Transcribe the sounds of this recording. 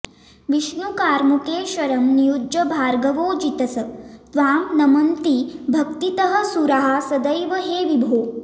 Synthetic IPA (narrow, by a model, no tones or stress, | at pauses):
ʋiʃnukaːɾmukeːʃɐɾɐmnijuɐbʱaːɾɡɐʋoːd͡ʒit̪ɐsɐt̪ʋaːmnɐmɐnt̪ibʱɐkt̪it̪ɐɦə̆suɾaɦasɐd̪əjʋəɦeːʋibʱoː